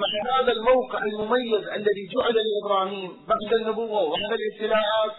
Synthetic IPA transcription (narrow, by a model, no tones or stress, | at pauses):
maʕɦaːðalmawqɪʕalmʊmajːɪzʔalːaðiːd͡ʒʊʕɪdalɪʔɪbɾaːhiːmbaʕd̪anːʊbʊwːawamɪnalʔɪst̪ːɪlaːʕaːt̪